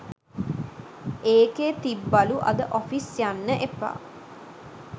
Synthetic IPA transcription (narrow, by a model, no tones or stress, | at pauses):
eːkeːt̪ibːaluʔɐ̰d̪əʔofisjanːəʔepa̰